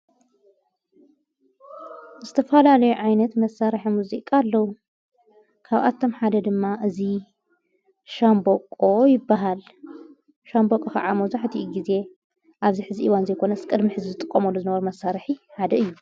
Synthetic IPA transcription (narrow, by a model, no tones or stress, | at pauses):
zɨt̪ʰɐfɐlalɐjuʕajnɐt̪mɐsaɾħimuzikʼalːɐwu | kʰaβʔa̰t̪ʰːo̞mħad̪ɐd̪ɨmːaʔɨzi | ʃambokʼojɪbːaɦal | ʃambokʼɐxa̰ʕamɐwzaħt̪ʰiʔuɡize̞ | ʔaβziħɨziʔiwanzɐjkʰo̞nɐskʼɨd̪miħɨzizɨt̪ʼɨkʼːɐmɐlːuzɨnɐβɐɾumɐsːaɾħiħad̪ɐɨjːu